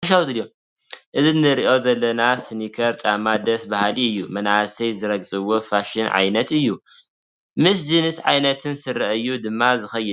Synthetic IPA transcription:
ɐʃ̬awt̪ɨljo | ʔɨzɨnɨɾiʔo̞zɐlːɐnasɨnikʰɐɾt͡ʃʼamad̪ɐsbahaliɨjːumɐnʕasɐjzɨɾɐɡsʼɨwo̞faʃɪnʕa̰jnɐt̪ɨjːu | mɨs̬d͡ʒɨnɨsʕa̰jnɐt̪ʰɨnsɨɾːɐʔɨjːud̪ɨmːazɨxɐjːɨ

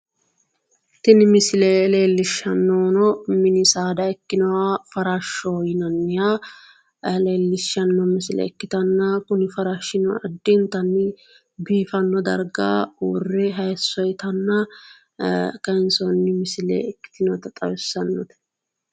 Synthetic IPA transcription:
t̪ɪnɪmɪsɪlele̞ːlːɪʃːɐnːoːnɔmɪnɪsaːd̪ɐɛkːɪnɔwafɐɾaʃːɔjɪnɐnːɪja | le̞ːlːɪʃːɐnːɔmɪsɪlɛ̰ɛkːɪt̪ɐnːɐkʊnɪfɐɾaʃːɪnɔɐd̪ːɪnt̪ɐnːɪ | biːfɐnːɔd̪ɐ̰ɾɡa̰ːwrːɛɦɐjsːɔjt̪ɐnːɐ | kɐɪnsɔnːɪmɪsɪlḛɛkːɪ̥t̪ɪnɔt̪ɐt̪ʼɐwɪsːɐnːɔ̰t̪ɛ̥

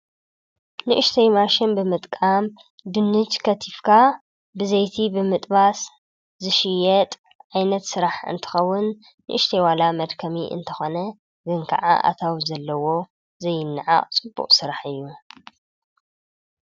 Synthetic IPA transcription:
nɨʔɨʃt̪ʰɐjmaʃɪnbɨmɨt̪ʼkʼam | d̪ɨnːɨt͡ʃʼkʰɐt̪ʰifkʰa | bɨzɐjt̪ʰibɨmɨt̪ʼβas | zɨʃɪjɛt̪ʼ | ʔajnɐt̪sɨɾaħɨ̰nt̪ʰɨ̥xɐwːʊnː | ɨ̰ʔɨʃt̪ʰɐjwalamɐd̪kʰɐmiʔɨ̰nt̪ʰɐxo̞nɐ | ɡɨŋkʰɐ̰ʕa̰ʔa̰t̪ʰawzɐlːɐwo̞ | zɐjːɪnːɨʕa̰ʔʼt͡sʼɨbːṵqʼsɨɾaħɨjːu

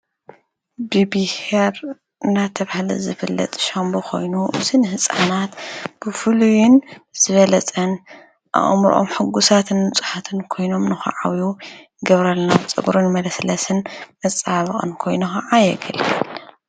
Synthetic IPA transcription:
bɨbiheɾ | ɨnat̪ʰɐβahlɨzɨfɨlːɐ̰t̪ʼʃambokʰo̞̰jnuʔɨzɨnɨhɨsʼa̰nat̪b̥ɨfɨlujɪnz̥ɨβɐlɐt͡sʼɐn | ʔa̰ʔmɾʔo̰mħɨɡusat̪ʰɨnmɨt͡sʼu̥ħat̪ʰɨnkʰo̞jno̞mnɨxɐ̰ʕa̰wju | ɨɡɐβɾɐlnat͡sʼɨ̰bɾɨnmɐlɐslɐsɨnmɐt͡sʼːaβɨχʼɨ̰nkʰo̞jnuxɐʕajɛ̰ɡɐlɡʰɐ̰l

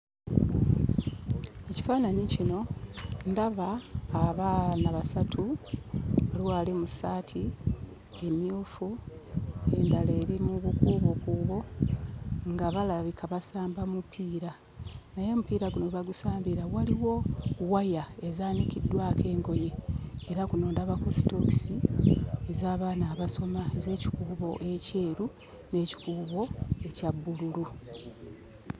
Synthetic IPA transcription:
e̞ci̥faːnaɲicino̞ndaβaːβaːnaβasatʰu | oliwaːlimusaːtʰi | e̞mjuːfu | e̞ndale̞ːɾimuβukuːβokuβo̞ | ŋɡaβalaβikʰaβasaːmbamupʰːiːɾa | naje̞mupiːɾaɡunoβaɡusaːmbiɾawaliwo̞wajae̞zaːnikidːwaːkʰe̞ːŋɡo̞je̞ːɾakuno̞ːndaβakosi̥to̞ksiezaːβaːnaːβaso̞maeze̞ːci̥kuːβo̞ʔe̞ce̞ːɾu | ne̞ːci̥kuːβo̞e̞cabːululu

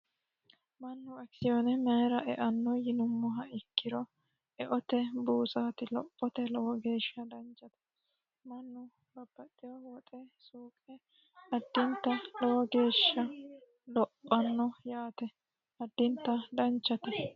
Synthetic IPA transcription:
mɐnːʊɐksɪjɔnɛmɛːɾɐʔɛʔɐnːɔjɪnʊmːɔɦɐɪkːɪɾɔ | ɛʔɔt̪ɛbuːsaːt̪ɪlɔpʼːɔt̪ɛlɔwɔɡe̞ːʃːɐd̪ɐnt͡ʃːɐt̪ɛ̥ | mɐnːʊ | lɔbːɐt̪ʼːɪjɔwɔt̪ʼɛsuːkʼɛ | ɐd̪ːɪnt̪ːɐlɔwɔɡe̞ːʃːɐ | lɔpʼːɐnːɔjaːt̪ɛ | ɐd̪ːɪnt̪ːɐd̪ɐnt͡ʃːɐt̪ɛ

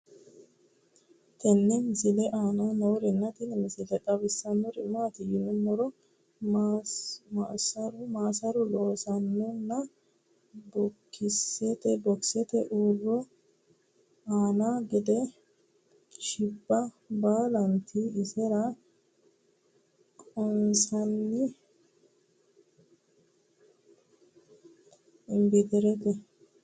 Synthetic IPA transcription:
t̪ɛnːɛmɪsɪlɛʔaːnɐnɐwʊɾɛnːɐt̪ɪnɛmɪsɪlɛkʼɐβɪsːɐnːɔɾɪnːɔɐt̪ɪjɪnːʊmːɔɾɔ | masɐɾʊmaːsɐɾʊloːsɐnːʊnːɐ | bɔkːɪsːɛt̪ɛbɔksɛt̪ɛʔuːrːɔ | aːnaːɡɛd̪ɛ | ʃɪbːɐ | baːlɐnt̪ʰiːsɛɾɐ | kʼɔnsɐnːɪ | ɪmbɪt̪ɪɾɛt̪ɛ

